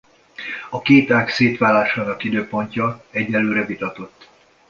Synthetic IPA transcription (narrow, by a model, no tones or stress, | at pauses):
ɒkeːt̪aːkseːt̪ʋaːlaːʃaːnɒkid̪øːpo̞ɲcɒɛɟːɛlːøːɾɛvit̪ɒt̪o̞t̪ː